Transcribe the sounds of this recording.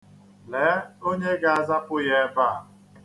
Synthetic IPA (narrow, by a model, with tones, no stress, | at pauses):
lɛ˨˦o˦ɲe˦ɡa˦a˦˨za˦pʊ˦je˦ba˦a˨